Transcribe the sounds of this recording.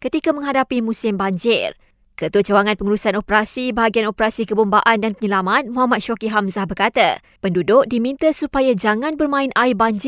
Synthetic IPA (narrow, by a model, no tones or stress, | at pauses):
kət̪ikamə̃ŋɦadapimũsɪmbaɲd͡ʒɪr | kət̪ut͡ʃəwaŋãnpəŋuɾusanopəɾasibaɦaɡianopəɾasikəbumbaʔandanpəɲəlamat̪̚muɦamat̪̚ʃɔkiɦamzahbərkat̪a̰ | pəndudʊʔ̚dimĩnt̪asupajad͡ʒaŋãnbərmãɪnaibaɲd͡ʒ